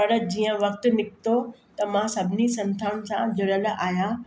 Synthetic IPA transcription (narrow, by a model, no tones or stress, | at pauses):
pɐɽd͡ʑiːə̃ʋɐkt̪ʊ̆nɪkt̪ot̪ɐmãsɐbʱɪnisɐ̃nt̪ʰaːɽ̃sãd͡ʑʊɾəlʔaːja